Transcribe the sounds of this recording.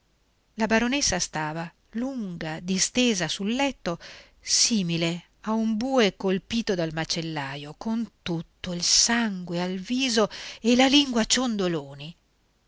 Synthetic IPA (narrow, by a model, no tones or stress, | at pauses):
labaɾonesːast̪aːva | luŋɡad̪ist̪eːzasulːɛt̪ːo | siːmile | aumbuːekolpiːt̪od̪almat͡ʃelːaːjokont̪ut̪ːoilsaŋɡwealviːzoelaliŋɡwat͡ʃond̪oloːni